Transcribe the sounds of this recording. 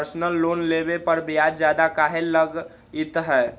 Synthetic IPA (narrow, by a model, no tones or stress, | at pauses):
ɾsnəlːoːnlebepəɾbjaːd͡ʒd͡ʒjaːd̪akaːɦelləɡ | ɪt̪ɦɛː